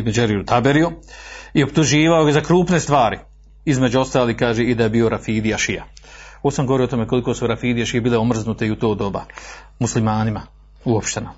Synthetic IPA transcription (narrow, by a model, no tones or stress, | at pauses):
med͡ʒeɾiut̪abeɾioio̞pt̪uʒiːʋaojezakɾuːpne̞st̪ʋaːɾi | izme̞d͡ʑuo̞st̪aːliːhkaːʒeːid̪ajebiːo̞ɾafiːd̪ijaʃija̰oːsamɡooɾioot̪ome̞ko̞likosuɾafiːd̪ijaʃijebiːleo̞mr̩znut̪eiut̪o̞ːd̪o̞ba̰ | muslimaːnima | uopʃt̪ena